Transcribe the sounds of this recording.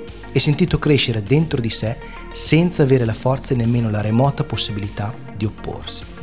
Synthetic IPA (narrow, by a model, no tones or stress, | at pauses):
ɛsːent̪iːt̪okɾeʃːeɾed̪ent̪ɾod̪isɛ | sɛnt̪saːveːɾelafɔrt̪saenːemːeːnolaɾemɔːt̪aposːibilit̪a | d̪iopːo̰rsi̥